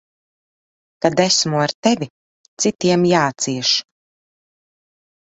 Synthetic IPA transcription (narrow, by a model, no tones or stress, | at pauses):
kad̪æsmuaɾt̪ɛvʲi | t̪sit̪iɛmjaːt̪siɛʃ